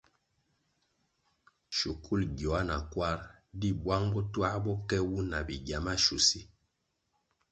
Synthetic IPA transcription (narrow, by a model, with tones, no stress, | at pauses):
ʃu˨kʰu˦˨lɡjɔ˨a˦na̰˨kwa˦ɾdi˦bwa˦ŋbɔ˦twa˦ɾbɔ˦kɛ˦wu˦na˨bi˨ɡja˨ma˦ʃu˨si˦